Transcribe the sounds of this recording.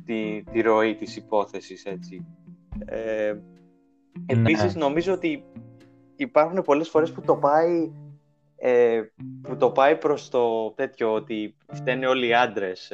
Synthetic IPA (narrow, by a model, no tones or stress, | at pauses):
t̪it̪iɾo̞it̪isipo̞θe̞sise̞t͡si | e | episizno̞mizo̞ot̪iː | pɐɾxune̞po̞le̞sfo̞ɾe̞sput̪o̞pɐi | eput̪o̞pɐipɾo̞st̪o̞t̪e̞t̪ço̞ot̪i | ft̪e̞nio̞liɐnd̪ɾe̞s